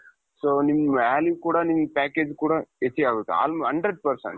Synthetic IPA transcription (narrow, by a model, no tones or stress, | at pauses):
soːnimːaːliʋkuːɽanimːpaːkeːd͡ʒkuːɽaet͡ʃːiaːɡut̪ːea̰ːlmɦɐɳɖɾeɖ̚pɐɾsɐ̰ɳ